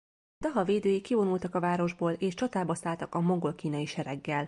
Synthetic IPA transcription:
d̪ɒɦɒveːd̪øːjikːivo̞nult̪ɒkɒvaːɾo̞ʒboːleːʃt͡ʃɒt̪aːbɒsaːlt̪ɒkɒmoŋɡo̞lkiːnɒjiʃɛɾɛɡːɛl

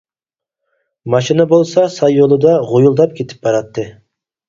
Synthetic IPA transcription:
mɑʃinəbolˠsɑsɑjːolˠɨd̪ɑʁojulˠd̪ɑp̚kʲʰet̪ʰɪ̥p̚bɑɾɑt̪ːɨ

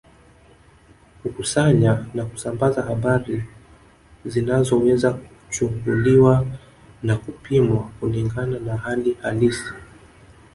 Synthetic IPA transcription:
kukusaɲanaku̥sambazahaɓaɾi | zinazɔwɛzaku̥t͡ʃuŋɡuliwa | nakupimwakuliŋɡananahalihalisi̥

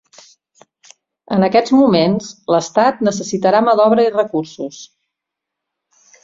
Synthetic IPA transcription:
ənəkɛd͡zmumenzləst̪at̪̚nəsəsit̪əɾaməðɔβɾəirəkursus

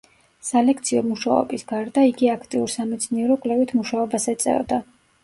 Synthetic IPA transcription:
salɛkʰt̪sʰiɔmuʃaɔ̰bisɡaɾd̪aiɡiakʰt̪ʼiuɾsamɛt̪sʰniɛɾɔkʼlɛvit̪ʰmuʃaɔbasɛt̪sʼɛ̰vd̪a

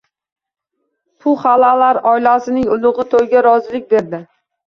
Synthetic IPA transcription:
pʰʊχalalaɾɒjlasɪnɪŋʊlˠʊʁɨt̪ʰojɡʲaɾɒzɪlɪk̚ʲbeɾd̪ɪ

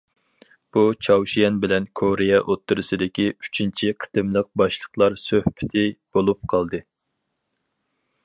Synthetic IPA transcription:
b̥ut͡ʃʰɑwʃijɛnbɪlɛnkʰoɾijɛʔot̪ːɨɾɨsɨd̪ɪkʲiy̥t͡ʃʰint͡ʃʰiqʰə̥t̪ɨmlˠəq̚bɑʃlˠə̥qlˠɑɾsøhpʰɪ̥t̪ʰɪb̥olˠup̚qʰɑlˠd̪ɨ

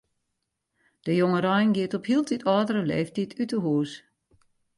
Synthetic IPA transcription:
d̥əjoŋəɾɔjnɡiətɔphilˠtʰitʰɔːdəɾəlḛːftitʰytəɦuːs

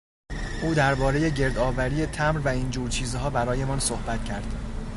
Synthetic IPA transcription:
ʔuːd̪æɾbɒːɾe̞je̞ɟe̞ɾd̪ɒːvæɾiːe̞t̪ʰæmɾvæind͡ʒuːɾt͡ʃʰiːzɦɒːbæɾɒːje̞mɒːnsohbæt̪cʰæɾd̪̥

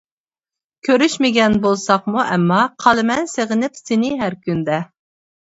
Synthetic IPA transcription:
kʲʰøɾyʃmɪɡʲɛnbolˠsɑχmuʔɛmːɑqʰɑlˠɨmɛnseʁɪnɪpsenɪɦæɾkʲʰynd̪ɛ

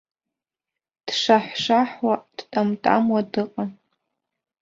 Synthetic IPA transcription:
d̥ʂaħʷʂaħwad̥tʼamtʼa̰mwadɨqʼa

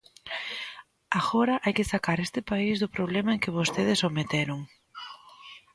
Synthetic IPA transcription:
aɣoɾɐʔajkɪsakaɾest̪ɪpaizðʊpɾoβlemɐeŋkɪβ̞ost̪eðɪsomet̪eɾʊŋ

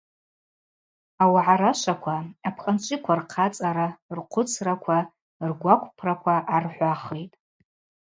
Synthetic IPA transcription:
awaʕaɾaʃʷakʷʰaapʰχʼant͡ʃʷʼɪkʷʰarqʰat͡sʼaɾarqʷʰʊt͡sʰrakʷʰa | rɡʷakʷʰʼpʰrakʷʰaʔarħʷaχejtʼ

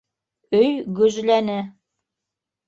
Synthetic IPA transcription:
ɵjɡɵ̆zlænɘ

